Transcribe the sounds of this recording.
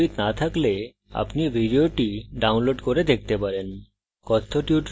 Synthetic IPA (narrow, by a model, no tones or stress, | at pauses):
it̪nat̪ʰakle | a̰pnibʱiɖioʈiɖawnloɖkoɾed̪ek̚t̪epaɾen | kɔt̪ʰːoʈjuʈ